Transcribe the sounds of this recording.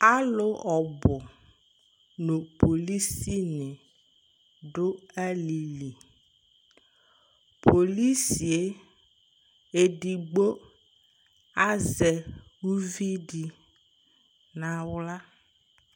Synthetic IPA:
a˦lo˦ɔ˨bʊ˨ | nõ˨po˨li˦si˦nɪ̃˨ | ɖo˦a˦li˨li˨ | pʰo˨li˦si˨e˨ | e˨ɖi˨ɡ͡bo˦ | a˦zɛ˨ | wu˦vi˦ɖi˨ | nã˨wla˦

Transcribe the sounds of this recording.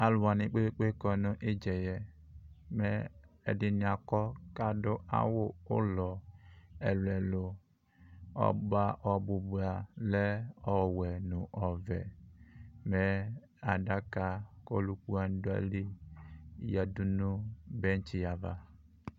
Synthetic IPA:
a˨lwa˨ni˨k͡pe˦k͡pe˦kɔ˨nʊ˦ʔe˦d͡ʒɛ˨jɛ˦ | mɛ˦ɛ̰˨dɪ˦ni˨a˨kɔ˦ka˦dʊ˦a̰˦wʊ˦ʊ̰˦lɔ˨ɛ̰˨lu˨ɛ˨lo˨ | ɔ̰˦ba˦ʔɔ˨bu˨bu˨a˨lɛ˦ɔ˦wɛ˨nu˨ʔɔ˨vɛ̰˨ | mɛ˦ | a˨da˦ka˦ko̰˦lu˦ku˦a˦n˦da̰˦li˦ | ja˨du˦nu˦be˦n˦t͡ʃi˦˨ja˨va˨

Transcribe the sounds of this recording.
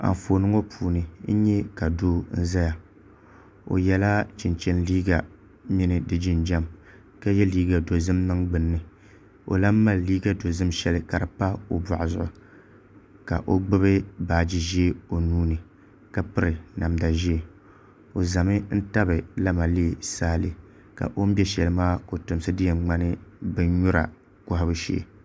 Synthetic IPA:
a̰˨ɱ˨foː˨nɨ˦ŋo˦pʰuː˨nɨ˨n̩˦ɲɛ˦ka˨doː˦n̩˦za˦ja˨ | o̰˨jɛ˨la˦t͡ʃɪ˨nt͡ʃɛ˦nliː˦ɡa˨ | mi˦nɨ˨dɨ˨d͡ʒɪ˦nd͡ʒa˦m | ka˦jɛ˦liː˦ɡa˨do˨zɨ˦mnɨ˦ŋɡ͡bɨ˨nː˦ɨ˨ | o̰˨la˦m˦ma˦˨lliː˦ɡa˦do˨zɨ˦mʃɛ˦lɨ˦ka˨ɾɨ˨pa˦o˨ba̰˨ʔʊ˨zʊ̰˦˨ʔʊ˨ | ka̰˨ʔo˦ɡ͡bɨ˦βɨ˦baː˨d͡ʒi˦ʒe˦o˨nuː˦nɨ˨ | ka˦pɨ˦ɾɨ˨na˨mda˨ʒi˦e˨ | o˨za˨mɨ˦n̩˦ta˦bɨ˨la˦ma˨leː˦˨saː˦lɨ˨ | ka̰˨ʔo˦m˦bɛ˦ʃɛ˨lɨ˦maː˦ko˨tʊ˨m˦sɨ˦dɪ˦jɛ˨ŋ͡ma˦nɨ˦bɨ˦n˦ɲʊ˦ɾa̰˨ | kʊ˦ha˦bɨ˦ʃḛ˦˨

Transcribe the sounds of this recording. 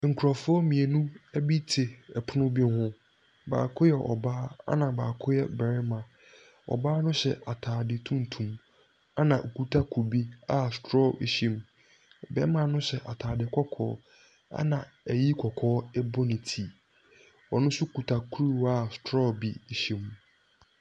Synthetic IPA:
ŋ̩˨kʰa˨fʊ˦ɔ˦mĩ˨e˨nũ˦ɛ˦bi˦tʰɪ˨ɛ˨pʰʊ˦nʊ̃˦bi˦n˦hʊ̃˦ | ba̰ː˨kʰʊ˦jɛ˨ʔɔ̰˨baː˦a̰˦nã˨baː˨kʰʊ˦jɛ˦˨bɛ˨ɾɪ˦mã˨ | ɔ̰˨baː˦nʊ̃˦ɕɛ̰˨a˨tʰaː˨dɪ˨tʰũ˦n˨tʰũ˨m | a˦nã˨ʔkʰu˨tʰa˦kʰu˨bi˦a˦stɾɔ˦˨ʔḭ˨ɕĩ˦˨m˨ | bɛ̰˦mã˨nʊ̃˦ɕɛ˨ʔa˨tʰaː˨dɪ˨kʰɔ˦kʰɔ̰ː˨˦ | a̰˦nã˨ɛ˨ji˦kʰɔ˨kʰɔː˦ɛ˦bo˦nĩ˨tʰi˦ | ɔ˨nʊ̃˦sʊ˦˨kʰu˨tʰa˨kʰu˦ɾi˦wa˦˨stʰɾɔ˦˨bi˦i˨ɕi˨m

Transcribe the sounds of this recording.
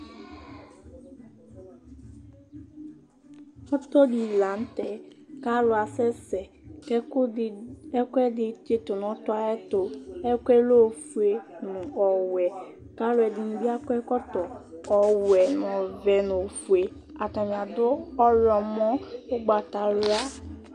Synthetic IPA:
ɔ˦tɔ˦di˨la˨n̩˦tɛ˨ka˦ɾʊ˨˦a˨sɛ˦sɛ˨kɛ˦ɛ˦kɛ˦dɪ˨t͡ʃe˦tʊ˨nʊ̃˨˦tʊ˦a˦ɛ˦tʊ˨ɛ˦kʷɛ˦lo˦˨fu˨e˨nʊ̃˨ʔɔ˨wɛ˨ | ka˦ɾʊ˦ɛ˨dɪ˨nʊ̃˨bɪ˦a˦kɛ˦kɔ˦tɔ˨ɔ˨wɛ˨nʊ̃˨vɛ˨nʊ̃˨fu˨e˨ | a˨ta˨ɲ̃˨a˨dʊ˦ɔ˦ɾɔ˨m˦ɔ̃˦ʊ˦ɡ͡ba˨ta˨lʊ˦a˦

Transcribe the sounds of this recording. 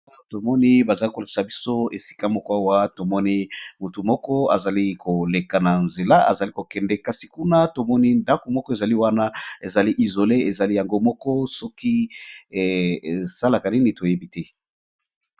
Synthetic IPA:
a˦to˦to˨mɔ˦ni˦ba˨za˨li˦ko˨la˨ki̥˨sa˨bi˦so˦e˨si̥˨ka˦mɔ˦ko˦a˦wa˦to˨mɔ˦ni˦mu˨tu˨mɔ˦kɔ˦a̰˨za˨li˦ko˨le˨ka˨na˨nze˨la˦ʔa̰˨za˨li˦ko˨kɛ˨ndɛ˦ka˨si˨ku˦na˦to˨mɔ˦ni˦nda˦ko˨mɔ˦kɔ˦e˨za˨li˦wa˦na˦e˨za˨li˦ʔi˨zo˨le˦e˨za˨li˦ja˨ŋɡo˦mɔ˦kɔ˦sɔ˦ki˦˨ | e˨sa˦la˨ka˨ni˦ni˨to˨je˦bi˦tɛ˦

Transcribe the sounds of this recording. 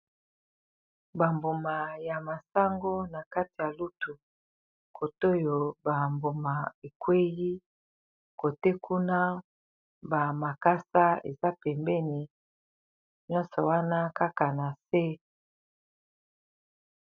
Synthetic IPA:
ba˨mbu˨ma˨ja˨ma˨sa˦ŋɡo˦na˨ka˦ti˨ja˨lu˦tu˨ | kʰo˨to˦jo˨ba˨mbo˨ma˨e˨kwe˦ji˦ | ko˨te˦kʰu˦na˦ | ba˨ma˨ka˦sa˦ḛ˨za˦pɛ˨mbɛ˦ni˨ | njɔ̃˦nsɔ˨wa˦na˦ka˦ka˨na˨se˦

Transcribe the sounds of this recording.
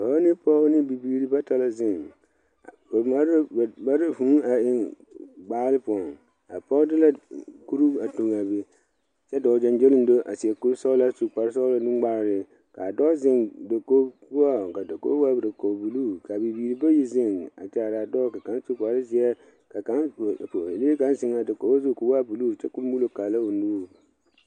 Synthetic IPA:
bɔ˨˦nɪ˦pɔ˦nɪ˦bi˨biː˨ɾi˨ba˦ta˨la˦˨zɪ˦˨ŋ˨ | ma˦ɾba˦ɾɪ˦hũ˦a˨ɪ˨ŋ | ɡ͡baː˦lɪ˦pɔ˨ŋ | a̰˨pɔ˦dɪ˦la˦ku˦ɾu˦a˨to˨ŋa˨be˨ | sɛ˦dɔː˨˦d͡ʒa˨nd͡ʒe˦lɪ˦n˦do˦ʔa̰˨sɪ˨ɛ˨ku˦sa˦ʊ˦la˦su˨k͡pa˨ɾs̬a˦ʊ˦la˦dɪ̃˦ŋ˦ɡ͡ba˦ɾɾɪ˨ | ka̰˨dɔː˦zɪ˨ŋdo˨ko˦bu˦a˦˨ka˨do˨ko̰˦wa˦bɾa˨ko˨bu˨luː˦˨ka˨bi˨biː˨ɾi˨ba˦ji˦zɪ˦ŋa̰˨t͡ʃɛ˨˦a˨ɾa˨dɔː˦ka˨ka˨˦n˦su˦k͡pa˨ɾɪ˦sɪ˨ɛ˦ | ka˨ka˨˦n˨ | le˦ka˨˦nsɪ˦ŋa˨da˨ko˨˦ba˦su˦˨ko˨˦a˦bu˨luː˦˨t͡ʃɛ˦kʊ˦m˦bu˦lo˦ka˨la˦o˨noː˦˨

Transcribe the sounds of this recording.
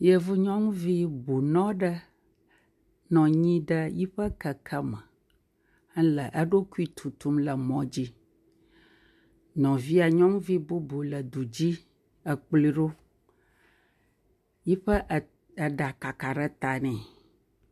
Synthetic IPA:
jə˦vu˦ɲɔ̃˦ŋũ˦vi˦bu˨nɔ̃˦ɖə˦ | nɔ̃˨ɲĩ˦ɖə˦ji˦ɸə˦kə˨kʰə˦mə˨˦ | lə˨ʔə˦ɖo˦ku˦i˦t̪ʰu˨t̪u˦mlə˨mɔ̃˨d͡ʑi˦ | ɲɔ̃˨vi˦a˨ɲɔ̃˦ŋũ˦vi˦bu˦bo˨lə˨d̪u˨d͡ʑi˦ | ə˨k͡pli˦ɖo˦ | ji˦ɸə˦ʔ | ə˨ɖa˨ka˨ka˨ɖə˦t̪a˨nɛ̃˨

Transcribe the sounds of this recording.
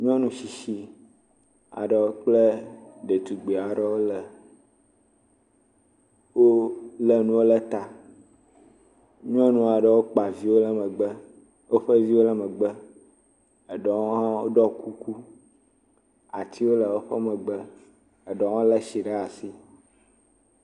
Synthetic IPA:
ɲ˦ɔ̃˦nũ˦ʃi˨ʃi˦ | a̰˨ɖɛ˨wo˦k͡plə˦ɖe˨t̪u˨ɡ͡bi˨a˨ɖɛ˦wo˦lə˨ | wo˦lə˦nũ˦wo˦lə˦t̪a˦ | ɲ˦ɔ̃˦nũ˦a˨ɖə˨wo˦k͡pa˨vi˦wo˦lə˦mə˨ɡ͡b | wo˦ɸə˦vi˦wo˦lə˦mə˨ɡ͡bə˦ | ə˨ɖɔ˦ŋo˦ɦã˦wo˦ɖɔ˦ku˦ku˦ | a˨t̪ʰi˦wo˦lə˨wo˦ɸə˦mɛ̃˨ɡ͡bə˦ | ə˨ɖɔ˨˦ŋ˦õ˦lə˦ʃi˨ɖa˦a˨si˦

